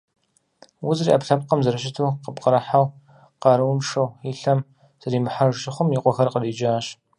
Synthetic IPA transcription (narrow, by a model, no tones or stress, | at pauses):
wʊzriʔɐpɬɐp̚qɐmzɐɾɨɕɪtʰuːqəbqəɾɐħaw | qɑɾɨwʊmʂɐwiɬɐm | z̥ɐɾiːmɨħaʒʃɪχʷʊmiqʷɔxɐrqəriːd͡ʒaːɕ